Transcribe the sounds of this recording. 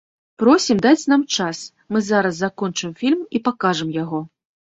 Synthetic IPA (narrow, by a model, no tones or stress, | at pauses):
pɾɔsʲimd̪at͡sʲnamt͡ʂas | mɨzaɾɐsːakɔnt͡ʂɨmfʲilʲmipakaʐɨmjaɣɔ